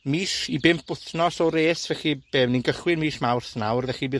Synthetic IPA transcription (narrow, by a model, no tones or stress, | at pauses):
miːʃibɪmp̚ʰʊθnɔsɔɾeːsvɛχib̥eːwninɡəχwɪnmiːʃmawrθnawrðɛχibɨː